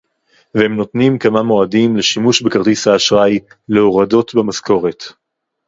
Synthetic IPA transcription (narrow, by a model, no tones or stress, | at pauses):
vehemno̞tnimkamamo̞adimle̞ʃimuʃbekaʁt̪ishaːʃʁajleoʁado̞tbemasko̞ʁe̞t